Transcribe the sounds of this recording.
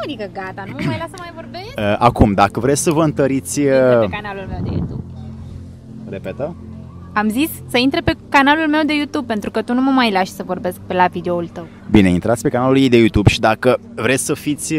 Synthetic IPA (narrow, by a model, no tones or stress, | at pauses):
ad̪ikəɡat̪anummajlasəmajvo̞rbeʃəʔa̰kumd̪akəvɾet͡ʃʲsəvəɨnt̪əɾit̪sʲkanalulme̞wd̪ejṵt̪ṵb | repet̪ə | amzisʲsəint̪ɾepe̞kanalulme̞wd̪e̞jut̪ub̚pent̪ɾukət̪unuməmajlaʃsəvo̞rbe̞sk̚pelavid̪eoult̪əw | bine̞int̪ɾat̪sʲpe̞kanaluljejd̪e̞jut̪ubʃid̪akə | vɾe̞tsʲsəfit̪sʲ